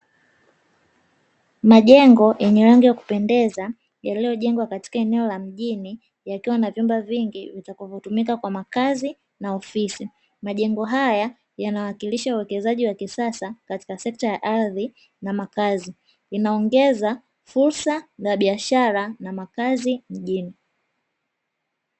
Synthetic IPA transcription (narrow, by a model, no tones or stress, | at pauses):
maʄɛŋɡɔjʔɛɲɛɾaŋɡijaku̥pɛndɛza | jalijɔʄɛŋɡwakati̥kaɛnɛɔlam̩ʄini | jakiwanavjumbaviŋɡivitakavɔtumikakwamakazi | naɔfisi | maʄɛŋɡɔɦaja | janawakiliʃauwɛkɛzaʄiwakisasakati̥kasɛk̚tajaʔaɾði | namakazi | inaɔŋɡɛza | fuɾsanaɓiaʃaɾanamakazim̩ʄini